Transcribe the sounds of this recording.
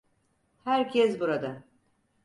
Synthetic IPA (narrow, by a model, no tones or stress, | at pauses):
hæɾcʰɛs̬buɾad̪a